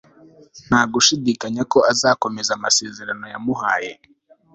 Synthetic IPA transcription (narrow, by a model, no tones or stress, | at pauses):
n̥haːɡuʃidiːkaɲako̞azaːko̞me̞zamase̞ːze̞ɾano̞jamuɦaːje̞̰